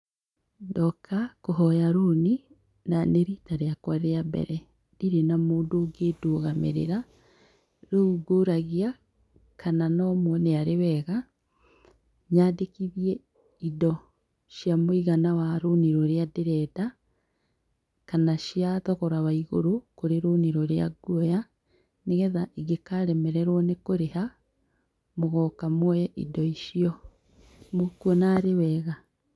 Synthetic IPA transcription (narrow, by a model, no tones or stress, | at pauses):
dɔkakoɦɔjaɾuni | naneɾitaɾeakwaɾeabɛ̰ɾɛ | diɾenamoːndoɡedoɣamḛɾḛɾa | ɾouɡoɾaɣia | kananɔmwɔneaɾewɛɣa | ɲadekiβjɛ | idɔ | ʃjamoiɣanawaɾuniɾoɾeadeɾɛda | kanaʃjatɔɣɔɾaβaiɣo̰ɾokoɾeɾuniɾoɾja̰ɡwoja | neɣɛðaʔiɡekaɾɛmɛɾɛɾwɔnekoɾeha | moɣɔkamwɔjɛʔḭdɔiʃiɔ | mokwɔnaːɾewɛːɣa